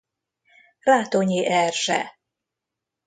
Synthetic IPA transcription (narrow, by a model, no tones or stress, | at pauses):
raːt̪oɲiʔɛrʒɛ̰